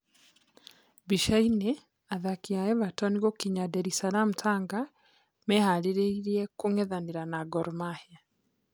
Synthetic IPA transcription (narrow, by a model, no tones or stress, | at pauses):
biʃaine | aðakiajɛβatɔniɣokiɲadɛɾisalam̩taŋɡa | mɛhaliɾeiɾiɛkuŋɛðaniɾanaɡɔɾumaha